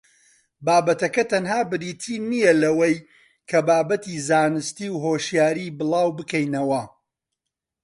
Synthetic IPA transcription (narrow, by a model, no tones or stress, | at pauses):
baːbɐt̪ɐkɐt̪ʰɐnɦaːbɨɾiːt̪ʰiːnijɐlɐwɐj | kʰɐbaːbɐt̪izaːnɨst̪iːwɦoːʃjaːɾiːbɨlˠaːwbɨkɛjnɐwɐ